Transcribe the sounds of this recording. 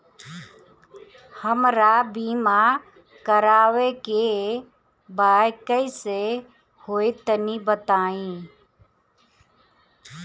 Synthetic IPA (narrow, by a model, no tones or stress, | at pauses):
həmɾabiːma | kəɾaːweke | baːjkəise | hoːit̪ənibət̪aːĩː